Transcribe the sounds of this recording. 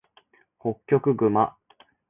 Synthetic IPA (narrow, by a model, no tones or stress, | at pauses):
ho̞kʲːo̞kɯ̟ɡɯ̟ma